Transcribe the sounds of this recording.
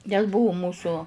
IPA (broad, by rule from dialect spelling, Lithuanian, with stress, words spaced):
nʲɛs ˈbʊʋʊ ˈmuːsʊ